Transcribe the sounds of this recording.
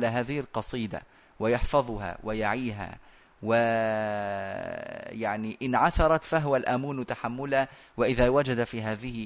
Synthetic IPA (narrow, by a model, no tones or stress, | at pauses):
laɦaːðɪhɪlqɑsˤiːd̪a̰ | wɪjɑħfɑðˤha̰wɪjaʕiːɦa̰ː | wɪ | jaʕniʔɪnʕaθɑɾˤɑt̪faɦʊwalʔamuːnt̪aħamːʊla | wɪʔɪðaːwad͡ʒad̪afiːɦaːðɪhɪ